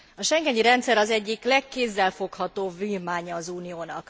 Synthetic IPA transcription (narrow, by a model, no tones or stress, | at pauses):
ɒʃɛŋɡɛɲiɾɛnt̪sɛɾɒzɛɟːiklɛkːeːzːɛlfo̞khɒt̪oːbviːrmaːɲɒːzuːnijoːnɒ̰k